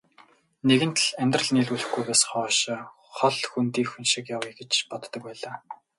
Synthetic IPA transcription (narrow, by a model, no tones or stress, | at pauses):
neɣɘ̆n̥t̪ɮæmʲt̪rə̆ɮniːɮuɮɘ̆xɡujpæːsχɔːʃ | χɔɮxunt̪iːxunʃɪ̆kjaweɡĕt͡ɕpɔt̪ːɞ̆k̚pæːɮaː